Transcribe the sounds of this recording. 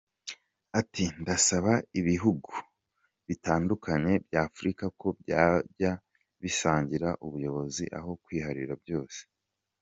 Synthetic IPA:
atindasaβaiβiɦuɡu | βitaːndukʰaɲe̞bjaːfuɾikako̞bjaja | βisaːɲɟiɾaʔuβujo̞βo̞ziʔa̰ɦo̞kwiːhaɾḭɾabjo̞ːse̥

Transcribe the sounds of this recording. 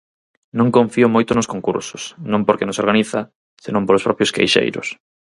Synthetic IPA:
nõŋkõɱfiʊmojt̪ʊnoskoŋkṵɾsʊ̥snõŋmpoɾkenosoɾɣaniθɐ | senõmpolospɾɔpjoskḛjʃḛjɾʊ̰s

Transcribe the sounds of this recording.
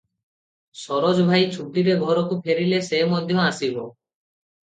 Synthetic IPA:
sɔɾod͡ʒbʱajt͡ʃʰuʈiɾeɡʱɔɾokupʰeɾilesemɔd̪ʱjɔasibo

